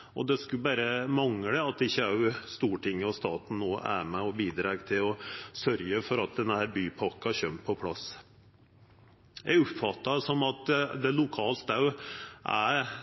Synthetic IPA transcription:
ʔɔ̰d̪ɛskʉbæːɾəmɑŋɽəɑt̪ːɪçːəɑʉst̪uːʈɪŋːəɔst̪ɑːt̪n̩noːʔæ̰mæɔbiːd̪ɾɑːɡt̪ʰɪlɔsœɾjəfɔɾɑt̪̚d̪ɛnːəhæːɾbyːpʰɑkːɑɕœmt̪̚pʰɔpʰlɑ̰s | jæ̰ɡʊpfɑt̪ːɑsɔmɑt̪d̪ɛlʊkʰɑːlt̪ɑʉʔæ̰

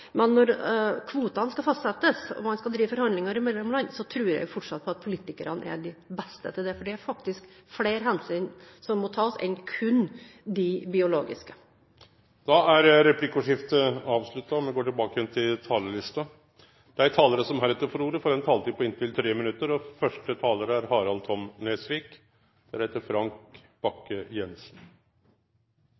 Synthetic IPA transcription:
mɛnːɔɾkʰʋuːt̪ɑnskɑfɑst̪sɛt̪ːəsɔ̰mɑnskɑd̪ɾiːʋəfɔɾhɑnd̪lɪŋɑɾɪmɛd̪lmlɑnsɔt̪ʰɾʉːɾjɛ̰ɪɡfɔʈʂɑt̪̚pʰɔɑt̪̚pʰʊliːt̪ɪkəɾɑnə̰ʔæ̰ɖɪbɛst̪ə̰t̪ʰɪld̪ɛfɔɖɛæɾfɑkt̪ɪskfleːɾɦɛnsyːnsɔmːɔt̪ʰɑːɔsɛ̰nkʰʉnd̪ɪbɪʊlo̰ːɡɪ̰skə̥ | d̪̥ɑæɾɾɛpʰlɪkʊʂɪft̪əɑːʋslʉt̪ːɑɔmɛɡoːʈɪlbɑːkəjɛnt̪ʰɪlt̪ʰɑːləlɪst̪ɑ | d̪̥ɛæɾt̪ʰɑːləɾəsɔmhæɾɛt̪ːəɾfɔɾuːɾəfɔɾɛnt̪ʰɑːlt̪iːpʰɔɪnt̪ʰɪlt̪ʰɾeːmɪnʉt̪ːəɾɔfœʂʈət̪ʰɑːləɾəæɾhɑːɾɑlt̪ʰɔmneːsʋiːk | d̪̥ɛææɾheːt̪əɾfɾɑŋk | b̥ɑkːəjɛnsn̩

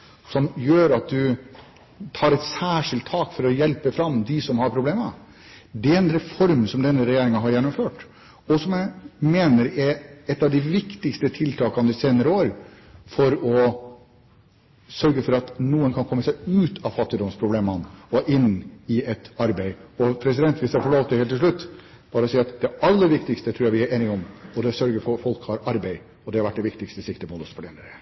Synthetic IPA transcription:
sɔmjøːɾɑt̪̚d̪ʉ | t̪ʰɑːɾɛt̪sæːʂɪlt̪ʰːɑːkfɔɾɔjɛlpəfɾɑmd̪ɪsɔmhɑɾpʰɾʊbleːmə | d̪ɛɛnɾɛfɔɾmsɔmd̪ɛnːəɾɛjeːɾɪŋɑɦɑɾjɛnːɔmføːʈ | ɔsɔmjæɪmeːnəɾɛɾɛt̪ːɑʋd̪ɪʋɪkt̪ɪkst̪ət̪ʰɪlt̪ʰɑːkɑnd̪ɪseːnəɾəoːɾ | fɔɾɔ | sœɾɡəfɔɾɑt̪nuːənkʰɑnkʰɔmːəsæɪʉːt̪ʰɑʋfɑt̪ːɪd̪ɔmspʰɾʊbleːmɑnɔʔɪnːɪɛt̪ɑɾbæɪɔpʰɾɛs̬ɪd̪ɛnt̪ʰʋiːsɑɾfɔɭoːʋt̪əhelt̪ʰːɪlʂɭʉt̪ː | b̥ɑːɾəɔsiːɑt̪d̪ɛɑlːəɾʋɪkt̪ɪkst̪ət̪ʰɾuːɾæɪʋɪæɾeːnɪɔmɔd̪ɛsœɾɡəɾfɔɾfɔlkhɑɾɑɾbæɪ | ɔd̪ɛhɑɾʋæʈ̚ːɖ̪ɛʋɪkt̪ɪkst̪əsɪkt̪əmud̪əsfɔɖɛnəɾə

